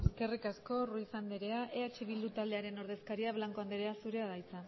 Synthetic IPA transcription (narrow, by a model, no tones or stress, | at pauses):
eske̞rikasko̞ruisand̪eɾe̞aʔe̞at͡ʃeβ̞ild̪ut̪ald̪e̞aɾe̞no̞ɾðe̞skaɾiaβlaŋko̞and̪eɾeasuɾe̞aðajt͡sa